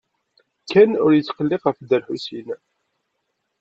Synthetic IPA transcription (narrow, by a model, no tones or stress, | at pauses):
kʰːænʊɾjət͡sːqəlːɪqəfd̪əɾħusin